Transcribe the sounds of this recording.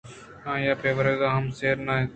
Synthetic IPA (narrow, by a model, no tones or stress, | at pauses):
hãːjaːpeːʋəɾeːɡaːɦəmseːɾnaːe